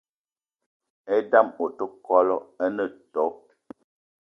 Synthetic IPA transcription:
ɛ˦da˦˨mo˨tə˦kɔ˦lɔ˦ə˦nə˦˨tɔ˨˦

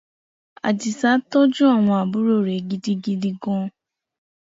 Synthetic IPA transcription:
a̰˨d͡ʒi˨sa˦tɔ˦d͡ʒu˦a˦˨w̃ɔ̃˧a˨bu˦ɾo˦˨ɾe˨ɡi˦di˦ɡi˦di˦ɡɔ̃˦

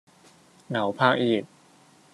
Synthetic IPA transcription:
na˩˦wpʰaː˥˧˩k̚ʔiː˨˩k̚

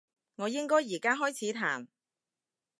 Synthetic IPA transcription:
ŋɔː˨˧jɪ˥ŋkɔː˥jːiː˨˩kaː˥ɦɔː˥jt͡sʰiː˨˥t̪ʰaː˨˩m

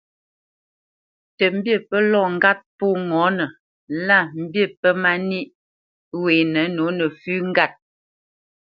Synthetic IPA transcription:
tə˨m̩˦bjə˦˨pə˦lɔ˦˨ŋ̩˦ɡa˦t̚po˦ŋɔ˨˦nə˨ | la˦˨m̩˦bjə˦˨pə˦ma˦ni˦ʔ | weː˨nə˨˦no˨˦nə˨fʉ˦ŋ̩˦ɡa˦˨t̚

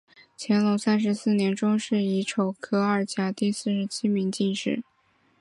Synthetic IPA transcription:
t͡ɕʰjɛ˧˥nlo˧˥ʊsa˥nʂ̬ɻ̩˧˥sɹ̩˥˩njɛ˧˥nʈ͡ʂʊ˥ŋʂɻ̩˥˩i˧˥ʈ͡ʂʰo˨˩ʊkʰɤ˥ə˞˥˩t͡ɕja˥t̪i˥˧sɹ̩˥˩ʂɻ̩˧˥t͡ɕʰi˥mi˧˥ŋt͡ɕi˥˧nʂɻ̩˥˩

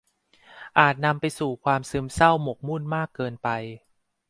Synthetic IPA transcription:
ʔaː˨˩t̪̚na˧mpa˧jsuː˨˩kʰwaː˧msɯ˦˥msa˥˩wmo˨˩k̚mu˥˩nmaː˥˩kːɤː˧npa˧j

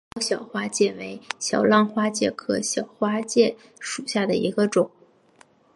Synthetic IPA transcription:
ʊɕjɑ˨˩ʊxwa˥t͡ɕjɛ˥˩we˧˥ɪɕjɑ˨˩ʊlɑ˥˧ŋxwa˥t͡ɕjɛ˥˩kʰɤ˧˥ɕjɑ˨˩ʊxwa˥t͡ɕjɛ˥˩ | ʂu˨˩ɕja˥˩d̪ə˩ḭ˧˥ɡə˧ʈ͡ʂʊ˨˩˦ŋ

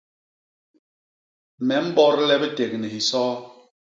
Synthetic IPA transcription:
mɛ˨˦m̩˦bɔ˦ɾlɛ˦bɛ˦te˨k̚nɛ˨hi˨sɔː˦

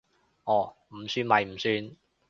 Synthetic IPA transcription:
ʔɔː˨˩m̩˨˩syː˧nmɐ˨jm̩˨˩syː˧n

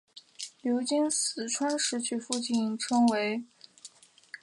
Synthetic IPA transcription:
ljo˧˥ʊt͡ɕi˥nsɹ̩˨˩ʈ͡ʂʰwa˥nʂɻ̩˥˧t͡ɕʰy˥˩fu˥˧t͡ɕi˥˩nʈ͡ʂʰɤ˥ŋwe˧˥ɪ

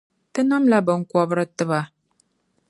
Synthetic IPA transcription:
tɨ˦na˦mla˦bɨ˨ŋ̩˨kɔ˨bɨ˦ɾɨ˦tɨ˦βa˨

